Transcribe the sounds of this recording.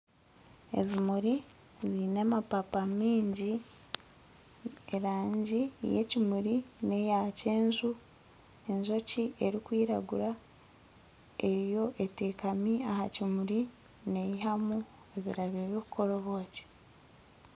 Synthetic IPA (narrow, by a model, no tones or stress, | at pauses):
e̞̰βimuɾi | βinemapapamiːɲɟi | eɾaːɲɟḭjḛcimuɾine̞jace̞ːnzu | e̞nzo̞ciʔe̞ɾikwiːɾa̰ɡuɾa | e̞ɾijo̞ʔe̞teːkamiahacimuɾi | ne̞jiɦamu | e̞βiɾaβiβokukʰo̞ɾoβo̞ːce̥